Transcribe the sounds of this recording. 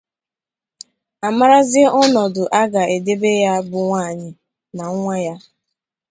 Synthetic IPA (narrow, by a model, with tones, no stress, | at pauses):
a˨ma˦ɾa˦zɪ˦e˦ɔ˦nɔ˨dʊ˨ʔa˦ɡa˨e˨de˦be˦ja˦bʊ˨ŋʷaː˦˨ɲɪ˨ | na˨ŋ˦ŋʷa˦ja˦